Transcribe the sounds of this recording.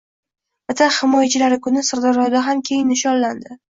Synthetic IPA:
bɪt̪ʰahɪmɒjat͡ʃʰɪlaɾɪkʰʊnɪsaɾd̪ɑɾɒd̪aɦamkʲʰejɪnːɪʃɒnːand̪ɪ

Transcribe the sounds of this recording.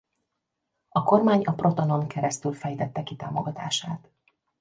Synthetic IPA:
ɒko̞rmaːɲɒpro̞t̪o̞no̞ŋkʰɛɾɛst̪ylfɛjt̪ɛt̪ːɛkit̪a̰ːmoɡɒt̪a̰ːʃaːt̪

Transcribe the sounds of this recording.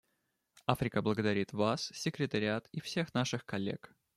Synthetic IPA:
afɾʲɪkəblˠəɡəd̪ɐɾʲit̪vassʲɪkɾʲɪt̪əɾʲɪat̪ifsʲe̞xnaʂɨxkɐlʲːḛk

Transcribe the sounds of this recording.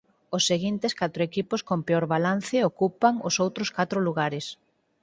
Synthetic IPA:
ʊsːeɣint̪ɪskat̪ɾoekipʊskompeoɾβalan̟θeokupaŋʊsowt̪ɾʊskat̪ɾʊluɣ̞aɾɪs

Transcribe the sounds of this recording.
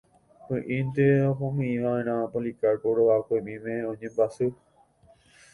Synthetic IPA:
hɨ̃ʔĩnt̪eoɦõmĩĩʋãẽɾ̃ãpõlikaɾpoɽoʋakojmĩmẽõɲẽmbasu

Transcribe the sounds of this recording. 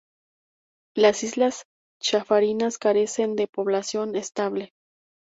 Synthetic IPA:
lasizlas | t͡ʃafaɾinaskaɾe̞se̞nd̪e̞po̞βlasjo̞ne̞st̪aβle

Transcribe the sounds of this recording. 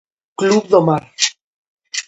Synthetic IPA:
kluβðomaɾ

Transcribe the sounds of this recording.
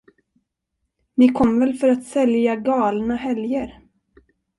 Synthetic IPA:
nɪkʰɔmːvɛlfœɾat̪sɛljaɡɑːlnahɛljəɾ

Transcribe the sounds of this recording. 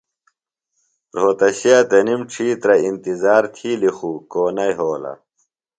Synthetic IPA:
ɾoːt̪ɐɕiaːt̪ɐnimʈ͡ʂʰiːt̪ɾɐint̪izaːɾt̪ʰiːlixukoːnɐjɦoːlɐ̰

